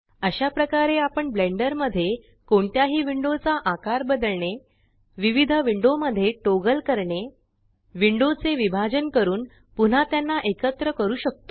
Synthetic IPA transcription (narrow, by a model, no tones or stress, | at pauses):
əɕapɾəkaɾeapəɳbleɳɖəɾməd̪ʱːje | koɳt̪jaɦiːʋiɳɖot͡saʔakaɾbəd̪əlɳe | ʋiʋid̪ʱəʋiɳɖoməd̪ʱːjeʈoɡəlkəɾɳe | ʋiɳɖot͡seʋibʱad͡ʑənkəɾuːn | pun̤at̪janːaʔekət̪ɾəkəɾuːɕək̚t̪o